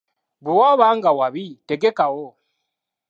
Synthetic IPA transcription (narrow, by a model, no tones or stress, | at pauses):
buwaβaːŋɡawaβiteɡekawo